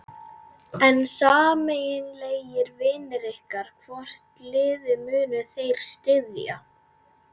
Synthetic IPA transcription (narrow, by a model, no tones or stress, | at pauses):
ɛnsaːmejɪnleːjɪɾvɪːnɪɾɪhkaɾ̥kʰvɔr̥t̪lɪːðɪmʏːnʏθejɾ̥st̪ɪðja̰